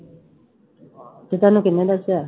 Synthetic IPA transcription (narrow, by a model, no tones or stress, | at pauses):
t̪et̪anukinɛd̪asea